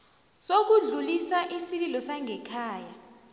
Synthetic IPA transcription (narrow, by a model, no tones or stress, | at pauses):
sok̬uɮulisaʔisililɔsaŋʱɛkʰaːja